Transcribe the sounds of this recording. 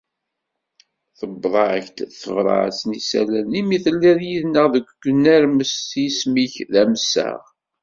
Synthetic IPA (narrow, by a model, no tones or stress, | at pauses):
θəbðˤɑʕçt̪θəvɾˤɑ̰ʕ̰snisæ̰lænimiθəlːiðjiðnəʁðəɡʷɡʷnːæɾməsismiçðæmsæ̰ʁ